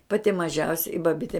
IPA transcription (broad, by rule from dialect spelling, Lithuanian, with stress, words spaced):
ˈpɑːtʲɪ mɐˈʒʲɛʊsʲɛ ɪ bɐˈbʲɪtʲɛ